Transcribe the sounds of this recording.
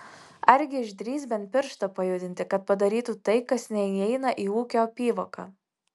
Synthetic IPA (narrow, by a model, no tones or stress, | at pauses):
ɐɾʲɡʲɪɪʒd̪ʲɾʲiːsbʲɛnʲt̪ʲpʲɪɾʃt̪ɐpɐjʊd̪ʲɪnʲt̪ʲɪkɐt̪̚pɐd̪ɐɾʲiːt̪ut̪ɐɪkɐsnʲɛiɛɪnɐʔiːuːkʲoːpʲiːʋokɑ